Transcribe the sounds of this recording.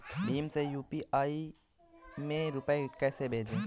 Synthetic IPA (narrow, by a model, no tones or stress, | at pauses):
ɖiːmsejuːpiʔai | mẽɾupaekɛːsebʱed͡ʒẽ